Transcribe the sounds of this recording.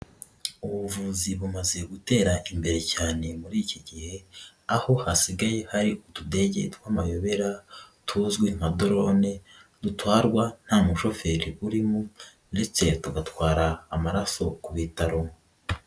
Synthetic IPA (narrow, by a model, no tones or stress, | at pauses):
uβuvuːziβumaze̞ɡute̞ːɾaʔimbe̞ɾe̞caːne̞muɾiːciɟihe̞ | aho̞hasiɡaje̞haɾiʔutude̞ːɟe̞̰twaːmajo̞βe̞ɾatʰuzɡwim̥ado̞ɾone̞ | dutwaːɾɡwan̥haːmuʃo̞fe̞ɾiʔuɾimu | nde̞t͡se̞tuɡatwaːɾaːmaɾaso̞kuβitaɾo